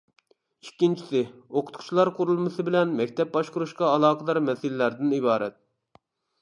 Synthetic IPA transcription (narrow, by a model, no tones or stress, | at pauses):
ikʲːint͡ʃʰi̥sɪoqʰʊt̪qʰʊ̥t͡ʃlˠɑɾqʰʊɾulˠmɨsɨbɪlɛnmɛkʲt̪ʰɛp̚bɑʃqʊɾuʃqɑːlˠɑːqəd̪ɑɾmɛsɪlɪlæɾd̪ɪnibɑːɾɛ̰t̪̚